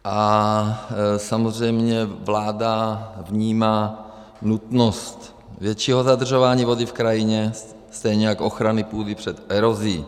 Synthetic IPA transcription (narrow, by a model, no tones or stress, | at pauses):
ʔa | samozrɛjmɲɛvlaːdavɲiːmaː | nut̪nost̪ | vjɛt͡ʃiːɦozad̪r̩ʒovaːɲiːvo̞dɪfkɾajɪɲɛ | st̪ɛjɲɛjakʔoxɾanɪpuːdipr̝̥ɛt̪ɛɾoziː